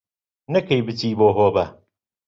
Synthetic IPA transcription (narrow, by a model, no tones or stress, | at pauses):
nɐkɐjbɨt͡siːboːɦoːbɐ